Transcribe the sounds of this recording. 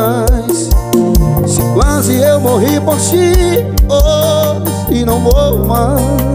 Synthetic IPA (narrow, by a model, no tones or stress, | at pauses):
js | sɪkwazɪewmoɦipoɾtio | sɪnɐ̃w̃vowma